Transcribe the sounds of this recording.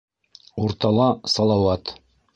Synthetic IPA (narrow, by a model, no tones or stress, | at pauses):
uɾt̪ɑlˠɑsɑlˠɑwɑt̪